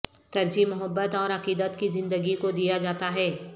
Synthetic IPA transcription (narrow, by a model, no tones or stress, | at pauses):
t̪ɐɾd͡ʒimʊɦəbːət̪ɔːɾɐqiːd̪ət̪kizɪ̃nd̪əɡikod̪ijad͡ʒaːt̪aɦɛː